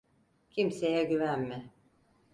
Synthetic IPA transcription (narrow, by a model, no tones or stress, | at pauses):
cʰimse̞jɛɟyvænmɪ